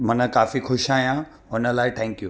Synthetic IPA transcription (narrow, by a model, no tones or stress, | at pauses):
mɐnə̆kaːfixʊʃaːɦijã | ʊnə̆laːɪʈʰɛ̃ːŋkjuː